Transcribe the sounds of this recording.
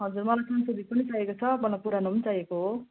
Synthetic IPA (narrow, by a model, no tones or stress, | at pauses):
ɦʌd͡zurmʌlajsʌnsod̪ʱit̪̚pʌnit͡saɦjekot͡sʰʌbʌlːapuɾanumʌnt͡sajekoɦo